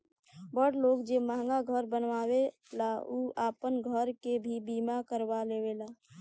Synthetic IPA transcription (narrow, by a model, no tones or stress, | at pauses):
bəɽloːkd͡ʒemaːŋɡaɡʱəɾbənʋaːwe | lauːaːpənɡʱəɾkebʱibiːmakəɾwalewelaː